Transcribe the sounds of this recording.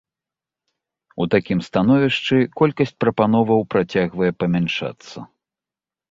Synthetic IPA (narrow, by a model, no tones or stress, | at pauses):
ut̪akʲimst̪an̪ɔvʲiʂt͡ʂɨkɔlʲkɐsʲt͡sʲpɾɐpan̪ɔvɐwpɾat͡sʲaɣvɐjɛpɐmʲanʂa̰t̪sːɐ̰